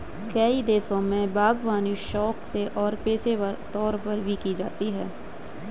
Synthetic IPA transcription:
kəid̪eːsõmẽbaːɡʋaːniʃɔːkseʔɔːɾpeːseʋt̪ɔːɾpəɾbʱikid͡ʒaːt̪iɦɛː

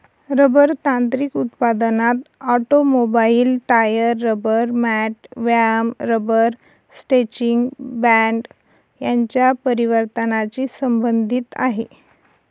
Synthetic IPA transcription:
ɾəbəɾt̪ãnt̪ɾiːkut̪pad̪nat̪ɔʈomobailʈajəɾːəbəɾmæʈʋamɾəbəɾ | sʈet͡ɕiŋɡbæɳɖ | jaɲt͡ɕjapəɾiʋəɾt̪ənat͡ɕiːsəmbənd̪ʱiːt̪a̰ɦe

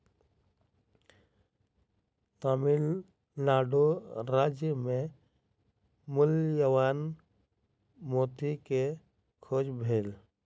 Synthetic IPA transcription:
t̪amil | naɖoɾad͡ʒjəme | mʊljəʋaːn | mot̪ike | kʰod͡ʒbʱeːl

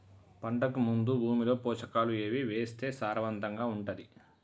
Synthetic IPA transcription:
pɐɳʈɐkumund̪ubʱuːmilo̞ːpɔːt͡ʃɐkaːlueːʋiʋe̞ːst̪e̞ːsaːɾɐʋɐnt̪ɐŋɡaːuɳʈɐd̪i

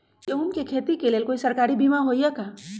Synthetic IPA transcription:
jeʊmkekʰeːt̪ikeleːlkoːisəɾkaːɾibimaɦojakaː

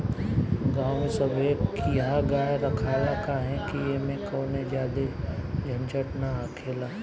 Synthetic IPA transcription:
ɡãːwmẽsəbʱekijɦaɡaːjɾəkʰaːlakaːɦɛ̃kijemẽkoːned͡ʒjaːd̪ed͡ʒʱɐ̃nt͡ʃəʈnaakʰeːlaː

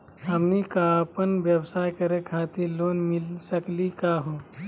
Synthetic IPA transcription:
ɦəmnikapənʋjəbsaːjkəɾekʰaːt̪iloːnmɪlsəklikaɦoː

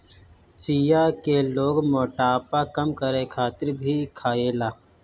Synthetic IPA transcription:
t͡ʃijakeloːɡmoːʈaːpakɐmkəɾẽkʰaːt̪ɪɾbʱikʰaːeːlaː

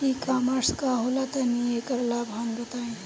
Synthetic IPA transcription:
ikaːmɐɾskaɦolat̪ɐnijekɐɾlaːbʱɐmbot̪aːẽ

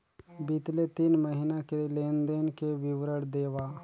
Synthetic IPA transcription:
bɪt̪let̪iːnməɦinakelẽːnd̪eːnkeʋɪʋɾəɽd̪eːʋaː

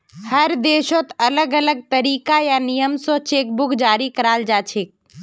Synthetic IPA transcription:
hɐɾd̪eːʃot̪ɐləɡɐləɡ̚t̪ɐɾiːkajanijəmsot͡ʃeːk̚bʊkd͡ʒaːɾikɐɾaːld͡ʒaːt͡ʃʰeːk̚

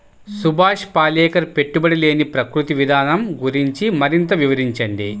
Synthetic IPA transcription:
subʱaːʂpaːlɛːkɐɾpe̞ʈːubɐɽile̞ːnipɾɐkɾut̪iʋid̪ʱaːnɐmɡuɾiɲt͡ʃimɐɾint̪ɐʋiʋɐɾiɲt͡ʃɐɳɖḭ

